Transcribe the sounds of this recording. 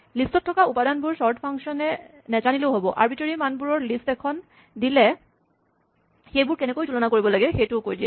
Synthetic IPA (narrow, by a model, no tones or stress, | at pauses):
listɔtʰːɔkaupadanbuɹsɔɹdpʰaŋʃɔnɛ | nɛt͡ʃanileʊɦobɔʔa̰ɹbitoɹimanbuɹɔɹlistɛkʰɔn | dilɛ | xejbuɹkɛnekojtulɔnakoɹibɔlaɡɛxejtukojdiɛ